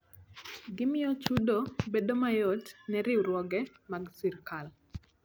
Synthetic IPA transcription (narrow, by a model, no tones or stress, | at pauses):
ɡɪmɪɔt͡ʃudobedomajotnɛɾɪwɾwɔɡɛmaɡsiɾkal